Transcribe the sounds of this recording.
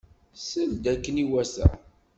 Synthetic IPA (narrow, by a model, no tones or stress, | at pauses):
səld̪ækːəniwæsæ̰